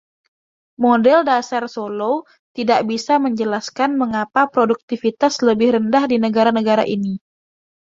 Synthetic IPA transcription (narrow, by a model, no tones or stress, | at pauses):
modɛldasarsolow | t̪idaʔbisaməɲd͡ʒəlaskanməŋapapɾoduk̚t̪ifit̪asləbɪhɾəndahdinəɡaɾanəɡaɾa̰ʔini